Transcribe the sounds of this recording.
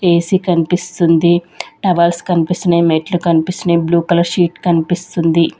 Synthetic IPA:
eːsikɐnipist̪und̪i | ʈɐʋɐlskɐnipist̪ɐnemeʈlukɐnipist̪ɐneːbluːkɐlɐɾʃiːʈkɐnipist̪und̪i

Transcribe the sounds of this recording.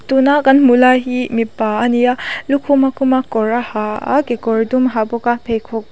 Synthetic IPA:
tunakanmulaɦimipːaːnijalukʰumakumakɔɾahaa̰kekɔɹdumɦabɔkapʰejkʰɔk̚

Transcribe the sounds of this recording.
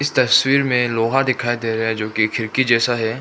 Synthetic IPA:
ɪst̪ɐswiːɾmẽloːɦad̪ɪkʰaːid̪eːɾɐɦɛd͡ʒoːkikʰɪɾkid͡ʒɛːsaɦɛː

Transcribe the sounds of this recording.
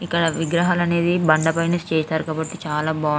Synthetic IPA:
ikːɐɽɐʋiɡɾɐɦaːlɐne̞ːd̪ibɐɳɖɐpɐjnɐst͡ʃɛːst̪aːɾukaːbɐʈːit͡ʃaːlaːbaː

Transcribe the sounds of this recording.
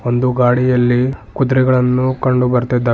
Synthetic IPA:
o̞nd̪uɡaːɽijɐlːikud̪ɾiɡɐɭɐnːukɐɳɖubɐɾt̪id̪ːaː

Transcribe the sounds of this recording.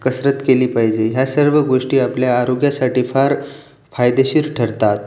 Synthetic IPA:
kəsɾət̪keliːpaɦid͡ʑeɦjasəɾʋəɡoʂʈiːapljaːɾoɡjasaʈiːfaɾ | fajd̪eɕiːɾʈʰəɾt̪at̪̚

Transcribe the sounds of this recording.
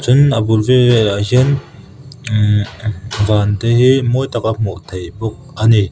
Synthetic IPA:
t͡sʊnəbulveaɦiən | vaːnt̪eɦimɔjt̪akamɔʔt̪ʰejbɔk̚ani

